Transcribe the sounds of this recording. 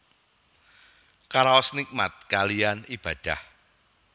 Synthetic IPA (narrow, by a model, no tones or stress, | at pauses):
kaɾaɔsnik̚mat̪̚kalijanib̥ä̤d̪̥a̤h